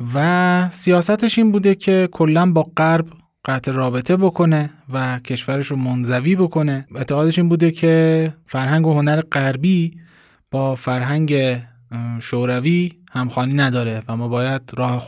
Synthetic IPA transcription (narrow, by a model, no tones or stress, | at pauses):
væsijɒːsæt̪ʰe̞ʃiːnbuːd̪e̞cʰe̞kʰo̞lːænbɒːɢæɾb | ɢ̥æt̪ʰeɾɒːbe̞t̪ʰe̞bo̞kʰo̞ne̞væcʰe̞ʃvæɾeʃɾomonzæviːbo̞kʰo̞ne̞e̞t̪ʰːeɣɒːd̪e̞ʃiːnbuːd̪e̞cʰe̞fæɾɦæŋɡoho̞næɾe̞ɢæɾbiː | b̥ɒːfæɾɦæŋɟe̞ | ʃoɾæviːhæmxɒːniːnæd̪ɒːɾe̞væmːɒːbɒːjæd̪̥̚ɾɒːhe